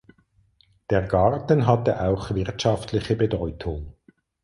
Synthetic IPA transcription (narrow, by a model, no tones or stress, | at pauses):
d̥eːɐɡɑʁtən̩ɦatəʔaʊxvɪʁɐtʃaftʰlɪçəbədɔʏtʰʊŋ